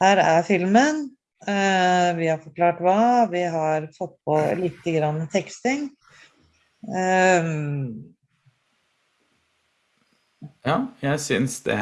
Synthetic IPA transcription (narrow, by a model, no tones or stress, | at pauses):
hæːɾæɾfɪlmən | ʋɪhɑɾfɔɾklɑːʈʋɑːʋɪɦɑɾfɔt̪̚ːpʰɔlɪt̪ːəɡɾɑnːət̪ʰɛkst̪ɪŋ | jɑːjæɪsʏnsd̪ɛ̰